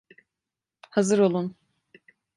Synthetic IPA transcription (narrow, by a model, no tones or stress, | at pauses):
hazɯɾo̞lˠun